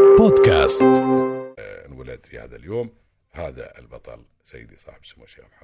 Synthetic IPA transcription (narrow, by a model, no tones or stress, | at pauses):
boːd̪ka̰ːst̪ | nwalad̪fiha̰ːðaljoːm | haːða̰ʔɪlbɑt̪ˤɑ̰l | sajːɪd̪isˤɑ̰ːħbsamoʃamħa